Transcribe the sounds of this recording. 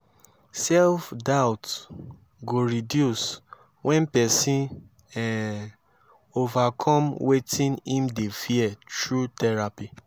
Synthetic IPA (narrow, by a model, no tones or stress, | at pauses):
sɛlfdaʊt | ɡoɹidjus | wʔɛ̃npɛsĩn | ɛ̃n | ovakʰɔ̃mwetĩnĩmdefiɛtɹutɛɹapi